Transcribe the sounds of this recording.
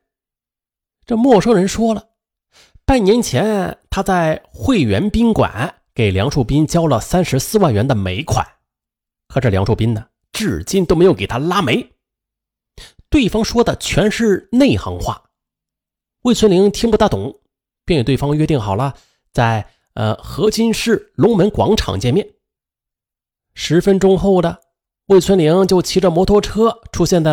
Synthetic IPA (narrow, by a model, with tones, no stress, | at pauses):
ʈ͡ʂɤ˥˧mwɔ˥˩ʂɤ˥ŋɻə˧˥nʂwɔ˥lə˨ | pa˥˩nnjɛ˧˥nt͡ɕʰjɛ˧˥nt̪ʰa˥t͡sa˥˧ɪxwe˥˩ɪɥɛ˧˥npi˥ŋkwa̰˨˩˦n | ke˨˩ɪljɑ˧˥ŋʂu˥˩pi˥nt͡ɕjɑ˥ʊlə˨sa˥nʂɻ̩˧˥sɹ̩˥˧wa˥˩nɥɛ˧˥nd̪ə˨me˧˥ɪkʰwa̰˨˩˦n | kʰɤ˧˥˩ʈ͡ʂɤ˥˩ljɑ˧˥ŋʂʰu˥˩pi˥nə˨ | ʈ͡ʂɻ̩˥˩t͡ɕi˥˩nt̪o˥ʊme˧˥ɪjo˧˩˥kt̪ʰa˥la˥me˧˥ɪ | t̪we˥˩ɪfɑ˥ŋʂwɔ˥d̪ə˨t͡ɕʰɥɛ˧˥nʂɻ̩˥˧ne˥˩ɪxɑ̰˧˥ŋxwa̰˥˩ | we˥˩ɪt͡sʰwə˥nli˧˥ŋt̪ʰi˥ŋpu˥˩t̪a˥˩t̪ʊ̰˨˩˦ŋ | pjnjt̪we˥˩fɑ˥ŋɥɛ˥t̪i˥˩ŋxɑ˨˩ʊlə˦ | t͡sa˥˩ɪ | ə̰˧xɤ˧˥t͡ɕi˥nʂɻ̩˥˩lʊ˧˥ŋmə˧˥nkwɑ̰˧˥ŋʈ͡ʂʰɑ̰˨˩ŋt͡ɕjɛ˥˧nmjɛ˥˩n | ʂɻ̩˧˥fə˥nʈ͡ʂʊ˥ŋxo˥˩ʊd̪ə˩ | we˥˩ɪt͡sʰwə˥nli˧˥ŋt͡ɕjo˥˩ʊt͡ɕʰi˧˥ʈ͡ʂə˧mwɔ˧˥t̪ʰwɔ˥˩ʈ͡ʂʰɤ˥ʈ͡ʂʰu˥ɕjɛ˥˧nt͡sa˥˩